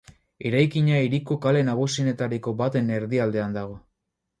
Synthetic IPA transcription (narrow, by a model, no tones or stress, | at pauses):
e̞ɾajkiɲaiɾikokale̞naɣ̞usine̞t̪aɾiko̞bat̪e̞ne̞ɾðiald̪e̞and̪aɣ̞o̞